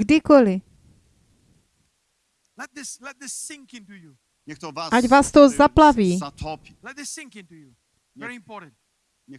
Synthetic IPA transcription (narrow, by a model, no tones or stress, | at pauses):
ɡdɪkolɪ | lɛt̪̚ðɪslɛt̪̚ðɪsːɪ̃ŋkɪ̃ntuju | ɲɛt̪ɔʔaɟvaːst̪ozaplaviːɔp | lɛt̪̚ðɪsɪ̃ŋkɪ̃ntuju | ɛɹiɪ̃mpɔɾn̩t | ɛ